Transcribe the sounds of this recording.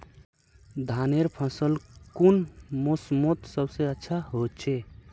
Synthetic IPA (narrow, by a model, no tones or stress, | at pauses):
d̪ʱaneɾpʰəsəlkunmosmot̪səbsẽətːʃʰaɦot̪t͡ʃʰe